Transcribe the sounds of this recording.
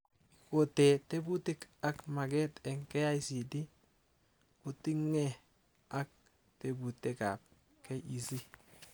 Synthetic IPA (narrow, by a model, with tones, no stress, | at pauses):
i˨ko˨tɛ˨te˦bu˦ti˦ka˦kma˨kɛ˦tɛ˨ŋkɛ˦ja˦isi˨di˦ | ku˦ti˦ŋːɛ˦ | a˦k̚ | te˨bu˨te˦ka̰˨p̚ | kɛ˦ʔi˨si˦